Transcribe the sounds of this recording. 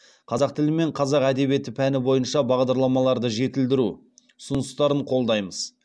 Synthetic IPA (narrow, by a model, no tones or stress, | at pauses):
qʰɑzɑq̚t̪ʰɪlɪme̞ɴqʰɑzɑqæd̪e̞bie̞t̪ɪpʰænɪbo̞jənʃɑbɑʁd̪ɑɾlˠɑmɑlˠɑɾd̪əʒe̞t̪ɪld̪ɪɾu | ʊsʊnʊst̪ɑɾəɴqʰo̞lˠd̪ɑjməz̥